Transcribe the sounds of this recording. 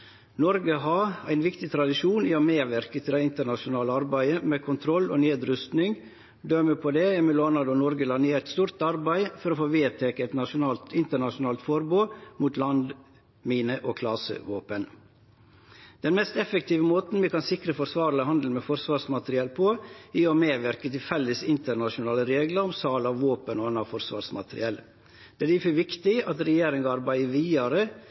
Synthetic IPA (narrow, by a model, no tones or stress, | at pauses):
nɔɾɡəɦɑɾæɪnʋɪkt̪ɪt̪ʰɾɑd̪ɪʂuːniːɔmeːʋæɾkət̪ʰɪld̪æɪɪnt̪əɳɑʃʊnɑːləɑɾbæɪəmɛːkʰʊnt̪ʰɾɔlːo̰ːneːd̪ɾʏst̪nɪŋ | d̪œməpʰɔd̪ɛæmɛloːnɑd̪ɔnɔɾɡəlɑneːɾt̪st̪uːɾt̪ɑɾbæɪfɔɾoːfoːʋeːt̪ʰɛkəɛt̪nɑʃʊnɑːlt̪ɪnt̪əɳɑʃʊnɑːlt̪fɔɾbuːmuːt̪lɑnd̪ | miːnəʔokʰlɑsə̰ʋoːpən | d̪̥ɛnmɛst̪ɛfək̚t̪ʰiːʋəmoːt̪n̩ʋɛkɑnsɪkɾəfɔɾsʋɑːɾləhɑnd̪l̩mɛfɔɾsʋɑːɾsmɑt̪ɾɪɛlpʰoiːɔmeːʋæɾkət̪ɪlfɛlːəsɪnt̪əɾɳɑʃʊnɑːləɾeːɡlɑɾɔmsɑːlɑʋʋoːpənoːɑnːɑfɔɾsʋɑ̰ːɾsmɑ̰t̪əɾɪ̰ɛl | d̪̥ɛæd̪ɪfəʋɪkt̪ɪɑt̪ɾɛjeːɾɪŋɑɾbæɪəʋiːɑɾə